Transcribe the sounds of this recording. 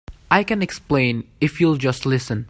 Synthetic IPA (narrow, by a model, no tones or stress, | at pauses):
aɪkɛ̃nɛksplẽɪ̃nɪfjuld͡ʒʌstlɪsə̃n